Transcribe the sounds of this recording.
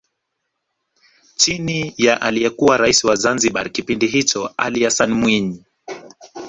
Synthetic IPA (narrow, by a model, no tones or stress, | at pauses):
t͡ʃinijaʔalijɛkuwaɾaisiwazanziɓaɾkipindiɦit͡ʃɔa̰liasanmwiɲi